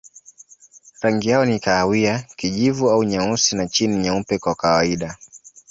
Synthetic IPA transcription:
ɾaŋɡijaɔnikaːwiakiʄivuauɲausinat͡ʃiniɲaupɛkwakawaiɗa

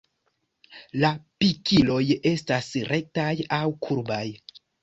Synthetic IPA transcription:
lapikilo̞je̞stasɾe̞k̚tajawkʰuɾbaj

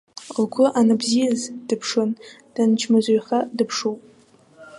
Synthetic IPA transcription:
lɡʷʊʔanɨbzijazd̥ɨpʰʂɨn | d̥ɨnt͡ʃʰmazʷejχadɨpʰʂowpʼ

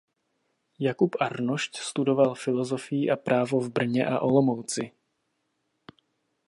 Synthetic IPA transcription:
jakupʔaɾnoʃcst̪udo̞valfɪlo̞zo̞fɪjiʔapɾʔaːvo̞vbr̩ɲɛ̰ʔa̰ʔo̞lo̞mowt͡sɪ

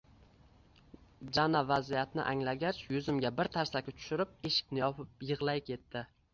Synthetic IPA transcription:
d͡ʒanavazijat̪nɪ̰ʔaŋlaɡʲat͡ʃjʊzɪmɡʲabɪɾt̪ʰaɾsakʲɪt͡ʃ̪ʰʊ̥ʃɪɾɪp̚eʃɪ̥kʲnɪjɒpʰɪp̚jɨʁlˠajkʰʲe̞t̪ːɪ

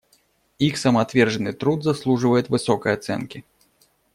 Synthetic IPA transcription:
ixsɐmat̪vʲɛrʐɐnɨt̪ɾut̪zaslˠuʐɨvɐjɛt̪ʲvɨsɔkɐjat̪sɛ̰nkʲi

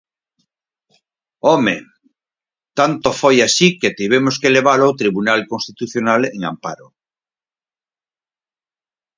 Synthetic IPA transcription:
omḛ | t̪ant̪ofojasiket̪iβ̞emoskeleβalawt̪ɾiβunalkonst̪it̪uθjonaleŋa̰mpaɾo

